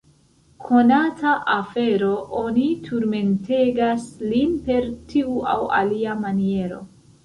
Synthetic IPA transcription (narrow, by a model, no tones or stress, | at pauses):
kʰo̞natʰaʔafe̞ɾo̞ʔonitʰuɾme̞nte̞ɡaslinpe̞ɾtʰiua̰wa̰liamanie̞ɾo̞̰